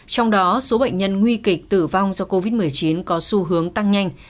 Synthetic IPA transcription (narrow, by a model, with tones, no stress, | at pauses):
t͡ɕɔ˧wŋ͡mɗɔ˨˦so˨˦ɓə̰˧˨jŋ̟ɲə˧nŋwi˧ki˨˩k̟̚t̪ɨ˧˩va˧wŋ͡mzɔ˧ko˧vi˦˥t̚mɨ˨˩əjt͡ɕi˨˦nkɔ˨˦su˧ɦɨ˨˦əŋt̪a˧ŋɲa˧jŋ̟